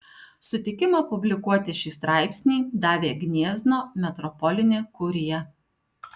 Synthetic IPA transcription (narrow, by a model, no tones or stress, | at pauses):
sʊt̪ʲɪkʲɪmɑpʊbʲlʲɪkuɔt̪ʲɪʃʲiːst̪ɾɑˑɪpʲsʲnʲiːd̪ɑːʋʲeːɡʲnʲiɛzʲnoːmʲɛt̪ɾɔpɔlʲɪnʲeːkʊɾʲɪjɛ